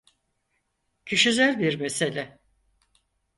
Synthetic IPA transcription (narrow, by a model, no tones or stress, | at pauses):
cʰɯʃizælʲbiɾmeselʲɛ